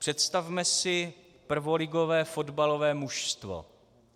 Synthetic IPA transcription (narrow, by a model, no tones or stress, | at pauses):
pr̥ɛt̪st̪avmɛsɪ | pr̩vo̞lɪɡo̞vɛːfo̞dbalovɛːmuʃst̪vo̰